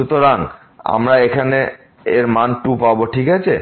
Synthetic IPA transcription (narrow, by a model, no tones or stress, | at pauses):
ut̪oɾaŋ | a̰mɾaekʰane | eɾmanʈupaboʈʰikat͡ɕʰe